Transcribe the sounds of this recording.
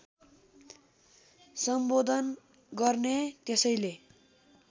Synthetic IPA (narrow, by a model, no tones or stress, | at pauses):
sʌmbod̪ʱʌn | ɡʌrnet̪esʌjle